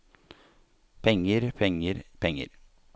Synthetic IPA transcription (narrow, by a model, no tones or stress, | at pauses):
pʰɛŋəɾpʰɛŋəɾpʰɛŋːə̰ɾ